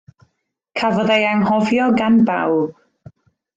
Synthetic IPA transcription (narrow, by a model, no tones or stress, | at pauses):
kʰavɔðajaŋhɔvjɔɡanba̰wb̥